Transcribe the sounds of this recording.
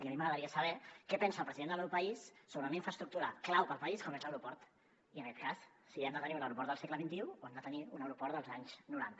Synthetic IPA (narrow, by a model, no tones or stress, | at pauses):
iəmiməɣɾəðəɾiəsəβɛkɛpɛnsəːlˠpɾəziðend̪əlmɛwpəisːoβɾəunəiɱfɾəst̪ɾuk̚t̪uɾə̰klawpəlˠpəiskɔmezləwɾupɔɾt̪ | iənəkɛt̪̚kasː | iɛmd̪ət̪əniunəwɾupɔɾt̪əlˠsɛkləβint̪iuoɛmd̪ət̪əniunəwɾupɔɾt̪d̪əlˠzaɲz̥nuɾant̪ə